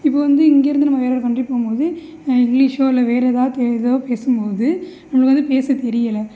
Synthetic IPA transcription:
ɪpːoːʋɐnd̪ɯɪŋɡeːɾɯnd̪ɯnɐmːɐʋeːɾɐːɽɐkɐɳɖripːoːɣmpoːðɯ | ɪŋɡliːʂoːɪlɐʋeːɾɛðãːt̪ɛɾɪðoːpeːsɯmpoːðɯnɐmɐɭɐkʋɐnd̪ɯpeːsɐt̪ɛɾɪjɐlɐ

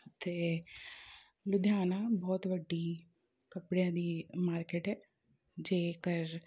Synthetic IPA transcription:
t̪eː | lʊd̪ʱjaːnãːbɔːt̪ʋəɖːiː | kəpɽejãːd̪iːmaːɾkeːʈɦɛː | d͡ʒeːkəɾ

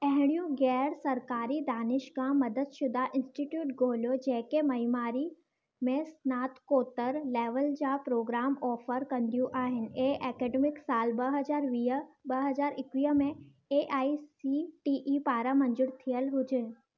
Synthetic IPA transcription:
ɛ̃ɦɪ̃ɽ̃ijũɡɛːɾsɐɾkaːɾid̪aːnɪʃkãmɐd̪ʱəd̪ʃʊd̪ʱaʔɪ̃nsʈiʈjuːʈɡʱoːljod͡ʑɛɦɪ̃kemɐɦimaːɾi | mẽsnaːt̪koːt̪əɾleːʋəld͡ʑaːpɾoːɡɾaːmɔːfəɾkɐ̃nd̪ijũʔaːɦɪnɪ̆eʔɛːkɛːɖeːmɪksaːlbɐɦɐd͡ʑaːɾʋiːɦəbɐɦɐzaːɾɪkʋiːɦəmẽ | eʔaːisiʈiːʔipaːɾamɐ̃ɲd͡ʑʊɽt̪ʰijəlɦʊd͡ʑʱɪnɪ̆

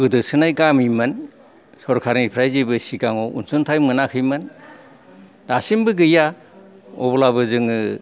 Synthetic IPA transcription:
ɯdɯsɯnajɡamijmɯn | sɔɾkʰaɾnipʰɾajzibɯsikaŋɔṵnsuntʰajmɯnakʰɯjmɯn | dasimbɯɡɯja | ɔ̰bɔlabɯzɯŋɯ

